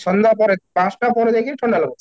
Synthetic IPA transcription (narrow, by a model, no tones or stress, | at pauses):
ʃɔnd̪apɔɾepãsʈapɔɾed̪ekʰinʈʰɔɳɖalɔbot͡ɕʰe̥